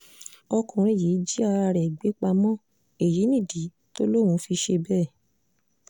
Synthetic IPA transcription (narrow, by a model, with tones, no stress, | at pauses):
ɔ˧kɔ̃˨ɾ̃e˨ji˨˦d͡ʒi˦a˦˧a˧ɾɛ˨ɡ͡be˨˦k͡pa˧mɔ̃˦ | e˨ji˨˦nĩ˦˨di˨˦ | to˦lo˦˨wũ˨˧˦fi˧ʃe˧bɛː˦˨